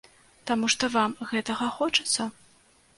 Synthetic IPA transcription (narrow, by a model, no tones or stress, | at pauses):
t̪amuʂt̪ɔvamɣɛt̪ɐɣɐxɔt͡ʂɐ̥t̪sːɐ